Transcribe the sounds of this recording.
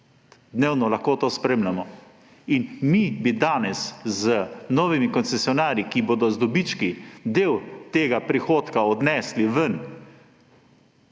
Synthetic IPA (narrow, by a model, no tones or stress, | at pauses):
d̪neːwnɔlaxkoːt̪oːspɾeːmlamɔ | inmibid̪aːnɛszənɔːʋimikɔnt̪sɛsjɔnaːɾikiboːd̪ɔzd̪ɔbit͡ʃkid̪eːwt̪eːɡapɾixoːt̪kaɔd̪nɛːsliʋən